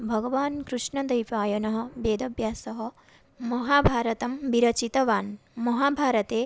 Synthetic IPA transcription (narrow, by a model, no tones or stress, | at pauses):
bʱɐɡɐʋaːnkɾuʂɳɐd̪ɐjpaːjɐnɐɦɐ̆beːd̪ɐbjaːsɐɦɐ̆ | mɐɦaːbʱaːɾɐt̪ɐmbiɾɐt͡ʃit̪ɐʋaːnmɐɦaːbʱaːɾɐt̪eː